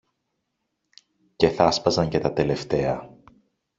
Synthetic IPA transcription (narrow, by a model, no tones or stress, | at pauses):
ce̞θɐspɐzɐɲce̞t̪ɐt̪e̞le̞ft̪e̞ɐ